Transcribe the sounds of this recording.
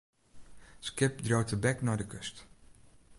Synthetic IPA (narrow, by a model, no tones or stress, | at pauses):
skɪp̚drowtəbɛknɔjdəkøst